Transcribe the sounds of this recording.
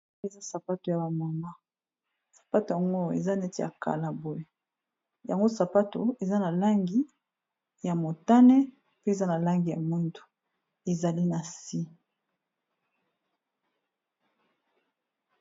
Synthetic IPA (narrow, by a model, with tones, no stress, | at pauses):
e˨za˦sa˨pa˦to˨ja˨ba˨ma˨ma˦ | sḁ˨pa˦to˨ja˨ŋɡo˦ḛ˨za˦nɛ˦ti˦˨ja̰˨ka̰˨la˨bo˨e˨ | ja˨ŋɡo˦sa˨pa˦to˨e˨za˦na˨la˦ŋɡi˦ | ja˨mo˨ta˦nɛ˦ | pe˦e˨za˦na˨la˦ŋɡi˨ja̰˨mu˦ntu̥˨ | e˨za˨li˦na˨si˦